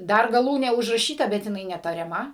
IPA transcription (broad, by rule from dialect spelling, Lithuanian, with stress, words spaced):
ˈdɐr ɡɐˈlˠuːnʲeː ʊʒrɐˈʃʲiːtɐ bʲɛt jɪˈnɐɪ nʲɛtɐrʲɛˈmɐ